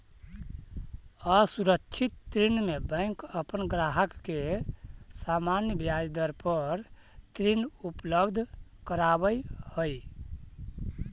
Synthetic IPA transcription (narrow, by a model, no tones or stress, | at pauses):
əsuɾəkt͡ʃʰit̪ːɾinmebə̃ɪŋkəpənɡɾaɦəkːe | samanjəbjad͡ʒd̪əɾpəɾ | t̪ɾinupləbd̪ʱkəɾabəjhoi